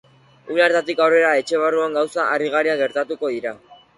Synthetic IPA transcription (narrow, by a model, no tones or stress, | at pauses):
ulaɾt̪at̪ikawre̞ɾae̞t͡ʃe̞β̞aruaŋɡawsaariɣ̞aɾiaɣe̞ɾt̪at̪uko̞ðiɾa